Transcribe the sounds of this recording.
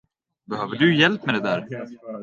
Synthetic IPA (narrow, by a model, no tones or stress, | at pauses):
bɛhøːvəɖɵjɛlpmɛd̪ɛd̪æːɾ